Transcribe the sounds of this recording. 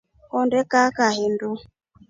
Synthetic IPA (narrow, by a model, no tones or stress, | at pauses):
hɔndɛkakaɦendu